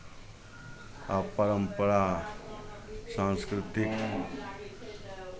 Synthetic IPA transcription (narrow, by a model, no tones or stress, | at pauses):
apəɾəmpəɾa | sãnskɾit̪ik